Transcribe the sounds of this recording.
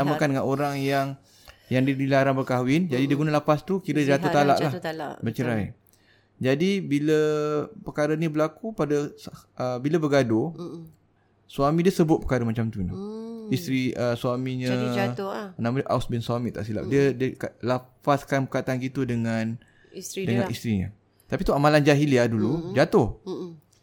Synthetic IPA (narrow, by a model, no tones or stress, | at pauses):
amakandəŋanoɾaŋjaŋ | jaŋdiədilaɾanbərkaɦwɪnd͡ʒadidiəɡunalapast̪ukiɾəd͡ʒat̪ut̪ala̰ʔlahbət͡ʃəɾaj | d͡ʒadibiləpəkaɾənibəlakupadəəbiləbəɡado | suamĩdiəsəbʊt̪̚pəkaɾəmat͡ʃamt̪unəist̪ɾiəsuamĩɲə | nãmaəʔawsbɪnsuamit̪a̰ʔsila̰p̚diədiəkalafaskanpəkat̪anɡit̪udəŋan | dəŋãnist̪ɾiɲə̰ | t̪apit̪uamaland͡ʒaɦiliadulud͡ʒat̪ʊh